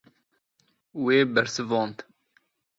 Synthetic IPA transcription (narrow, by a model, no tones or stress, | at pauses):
weːbɛɾsɨvɑːnt̪